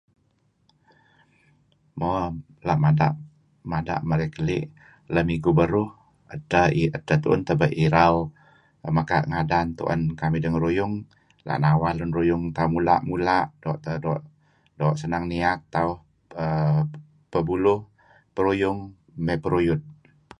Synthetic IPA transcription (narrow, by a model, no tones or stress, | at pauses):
mɔ | laʔmada̰ʔ | mada̰ʔməɾekəlɪ̰ʔ | ləmiɡubəɾʊh | ətəiətːət̪uʔənt̪əbəʔiɾaw | məkaʔŋadant̪ṵʔə̰nkamidəŋɾujʊŋ | la̰ʔnawalʊnrujʊŋt̪amula̰ʔmulaʔdɔʔt̪ədɔʔ | dɔʔsənaŋniak̚t̪aʊh | ə | pəbulʊh | pəɾujʊŋ | mepəɾujʊt̪̚